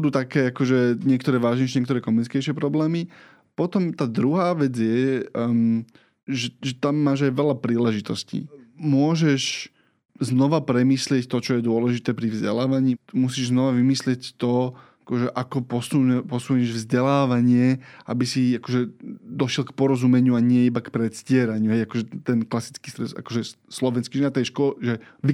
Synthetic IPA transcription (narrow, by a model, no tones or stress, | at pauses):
d̪uːt̪akɛːakɔʒɛɲɪɛkt̪ɔɾɛːʋaːʒɲɛʃ̬ɲɛkt̪ɔɾɛːkɔmunit͡skɛjʃɪɛpɾɔblɛːmi | pɔt̪ɔmt̪aːd̪ɾuɦaːʋɛd͡zjɛ | ʒɛʒɛt̪amːaːʒajʋɛʎapɾiːlɛʒit̪ɔscḭːmʊɔʒɛʃ | znɔʋapɾɛmiːslɪɛct̪ɔt͡ʃɔjɛd̪ʊɔlɛʒit̪ɛːpɾivzɟɛ̰laːʋaɲiːmusiːʒznɔʋaʋimislɪɛct̪ɔakɔʒɛʔakɔpɔsupɔsuːɲɛʒvzɟɛlaːʋaɲɪɛabisiakɔʒɛd̪ɔʃjɛlkpɔɾɔzumɛɲɪuaɲɪɛibakpɾɛt̪scɪɛɾaɲuɦɛjakɔʒɛt̪ɛnklasi̥t͡skiːst̪ɾɛsa̰kɔʒɛ | slɔʋɛnskiʒɛnat̪ɛjʃkɔʒɛ | ʋi